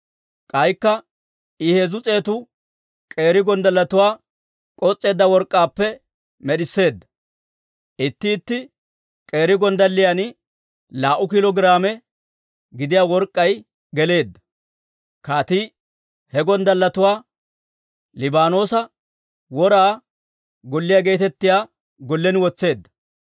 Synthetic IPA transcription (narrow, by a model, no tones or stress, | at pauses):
kʼɐjkːɐ | ɪheːzʊt͡sʼe̞ːt̪ʊ | kʼe̞ːɾɪɡɔnd̪ɐlːɐt̪ʊwaː | kʼɔt͡sʼːe̞ːd̪ːɐwɔɾkʼːaːpːɛ | mɛɗɪsːe̞ːd̪ːɐ̥ | ʔɪt̪ːɪːt̪ːɪ | kʼe̞ːɾɪɡɔnd̪ɐlːɪjanɪ | laːʔʊkɪlɔɡɪɾaːmɛ | ɡɪd̪ɪjaːwɔɾkʼːɐj | ɡɛle̞ːd̪ːɐ | kaːt̪iː | hɛɡɔnd̪ɐlːɐt̪ʊwaː | lɪbaːno̞ːsɐ | wɔɾaː | ɡɔlːɪjaːɡe̞ːt̪ɛt̪ːɪjaː | ɡɔlːɛnɪwɔt͡sːe̞ːd̪ːɐ̥